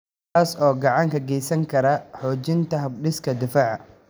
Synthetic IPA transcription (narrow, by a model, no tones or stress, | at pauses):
aːsɔːɡɑʕɑŋkʰɐɡɛjsɐŋkʰɐɾɐħɔːt͡ʃɪnt̪ʰɐɦɐb̚ɖɪskʰɐd̪ɪfaːʕ